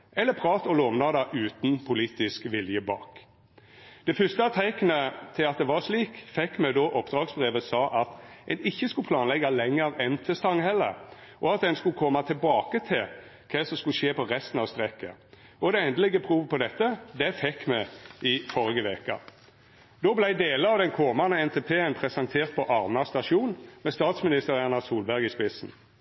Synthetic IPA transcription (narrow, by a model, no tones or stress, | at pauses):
ɛlːəpʰɾɑːt̪ɔloːʋnɑd̪ɑʔʉːt̪n̩pʰʊliːt̪ɪskʋɪljəbɑ̰ːk | d̪̥ɛfʉst̪ɑt̪ʰæɪkənət̪ʰɪlɑt̪d̪ɛʋɑɾʂliːkfɛkːmɛd̪ɔʔɔpd̪ɾɑːɡsbɾeːʋəsɑːʔɑt̪ɛnɪçːəskʉpʰlɑːnlɛɡːɑlɛŋːəɾɛnt̪ʰəst̪ɑŋhɛlːə̰ | ʔɔɑt̪̚ɛnskʉkʰɔmːɑt̪ʰɪlbɑːkət̪ʰɪl | kʰɛsɔmskʉʃeːpɔʁɛst̪n̩ɑʋst̪ʁɛkːə̰ | ʔɔd̪ɛɛnd̪əlɪɡəpʰɾuːʋəpʰɔd̪ɛt̪ːəd̪ɛfɛkːmɛɪfɔɾɪɡəʋeːkɑ̰ | d̪ɔblæɪd̪eːləɑʋd̪ɛnkʰɔmɑnəɛnt̪ʰeːpʰeːənpʰʁɛsɑnt̪ʰeːʁt̪̚pʰɔʔɑʁmɑst̪ɑʃuːnmɛst̪ɑːt̪smɪnɪst̪əʁæʁnɑsuːlbæʁɡɪspɪsn̩